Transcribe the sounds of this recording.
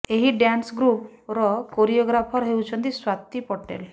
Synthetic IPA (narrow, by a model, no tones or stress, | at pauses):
eɦiɖjansɡɾupɾɔkoɾijɔɡɾapʰɔɾɦewt͡ʃʰə̃nt̪iswat̪ipɔʈḛl